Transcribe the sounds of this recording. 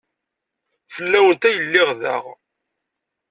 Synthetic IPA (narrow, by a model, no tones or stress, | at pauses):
fəlːæwənt̪æjəlːɪʁðæ̰ʁ